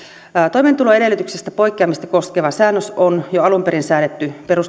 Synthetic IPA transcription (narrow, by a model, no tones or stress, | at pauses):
t̪o̞iment̪uloeɾe̞lːˑyt̪yksest̪æpo̞ikːˑeɑmist̪ɑkoskeʋɑsæːnːøsonjoɑlumpeɾinsæːnet̪ːyperus